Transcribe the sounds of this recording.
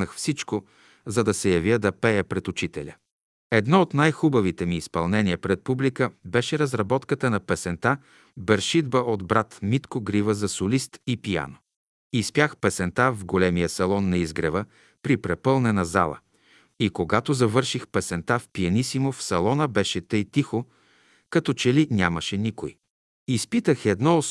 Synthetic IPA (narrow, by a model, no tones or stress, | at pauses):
əxfsit͡ʃko | zɐd̪ɐsɛjɐvjəd̪ɐpɛjəpɾɛt̪ʊt͡ʃit̪ɛlʲə | ɛd̪nɔot̪najxubɐvit̪ɛmiːspɐlˠnɛniəpɾɛt̪̚publikəbɛʃɛɾɐzɾɐbɔt̪kət̪ənɐpɛsɛnt̪a | bɛɾʃid̪bəʔod̪bɾat̪mit̪koɡɾivəzɐsolist̪ipija̰no | ispjaxpɛsɛnt̪avɡolɛmijəsɐlˠɔnːɐizɡɾɛvə | pɾipɾɛpɤlˠnɛnɐza̰lˠə̰ | ikoɡat̪ozɐvɤɾʃixpɛsɛnt̪afpiɐnisimofsɐlˠɔnəbɛʃɛt̪ɤjt̪ixo | kɐt̪ɔt͡ʃɛlinʲaməʃɛniko̰j | ispit̪əxɛd̪nɔ